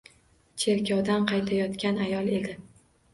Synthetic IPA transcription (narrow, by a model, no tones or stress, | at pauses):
t͡ʃʰe̞ɾkʲʰɒwd̪anqʰɑjt̪ʰajɒt̪kʲanajɒlˠe̞d̪ɪ